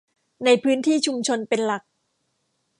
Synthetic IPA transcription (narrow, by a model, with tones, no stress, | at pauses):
na˧jpʰɯː˦˥nt̪ʰiː˥˩t͡ɕʰu˧mt͡ɕʰo˧npe˧nla˨˩k̚